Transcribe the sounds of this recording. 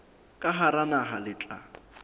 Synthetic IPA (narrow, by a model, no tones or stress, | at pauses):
kʼaɦaɾanaɦalɪt͡ɬʼa̰